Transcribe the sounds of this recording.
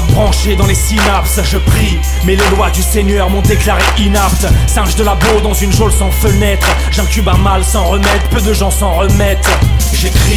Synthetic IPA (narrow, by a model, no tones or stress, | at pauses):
bʁɑ̃ʃed̪ɑ̃lesinapsʒəpχi | mɛlelwad̪yseɲœʁmɔ̃d̪eklaʁeʔinapt̪sɛ̃ʒd̪əlabod̪ɑ̃zynʒolsɑ̃fənɛt̪χ | ʒɛ̃kʲybɛ̃malsɑ̃ʁəmɛd̪pød̪əʒɑ̃sɑ̃ʁəmɛt̪ | ʒekχi